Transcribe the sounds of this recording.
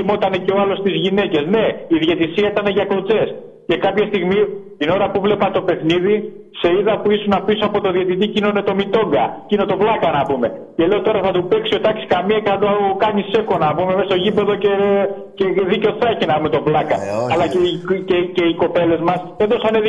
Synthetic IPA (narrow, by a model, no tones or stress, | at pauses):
imo̞t̪ɐne̞ce̞oɐlo̞st̪izʝine̞ce̞zne̞iðʝet̪isiɐit̪ɐne̞ʝɐko̞t͡se̞s | ce̞kɐpçɐst̪iɣmit̪ino̞ɾɐpuvle̞pɐt̪o̞pexniði | se̞iðɐpuisunɐpisoɐpo̞t̪o̞ðje̞t̪it̪̬icino̞ne̞t̪o̞mit̪o̞ŋɡɐcino̞t̪o̞vlɐkɐnɐpume̞ce̞le̞ot̪o̞ɾɐθɐt̪upe̞ksio̞t̪ɐksi̥kɐmiɐceθɐd̪okɐɲise̞ko̞nɐpumemest̪oʝipe̞ðo̞ce̞ | ceðiceoθɐcinɐpumet̪o̞vlɐkɐ̰ɐlɐecece̞iko̞pe̞le̞zmɐseðo̞sɐneð